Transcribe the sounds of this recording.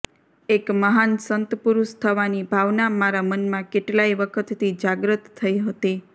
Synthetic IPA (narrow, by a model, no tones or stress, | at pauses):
ekməɦansənt̪puɾuʃt̪ʰəʋanibʱaʋnamaɾamənmãkeʈlaiʋəkʰət̪ːid͡ʒaɡɾət̪ʰːəiɦət̪i